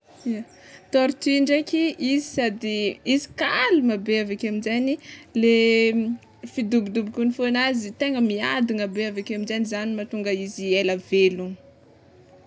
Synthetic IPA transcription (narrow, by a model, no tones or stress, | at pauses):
i | t̪oɾt̪uiɳɖ͡ʐakʲiʔizisad̪iizi̥kalumabeavakaminzenile | fid̪ubid̪ubikunifonazit̪eŋəmia̰d̪uŋabeavakaminzenizanimat̪uŋɡəizielavelun